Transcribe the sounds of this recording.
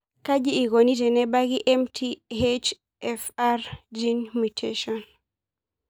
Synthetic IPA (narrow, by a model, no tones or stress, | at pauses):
kad͡ʒiːɡonitɛnɛbaɡiʔɛmtʰihet͡ʃ | ʔɛfaɾd͡ʒinmitʰeʃɔn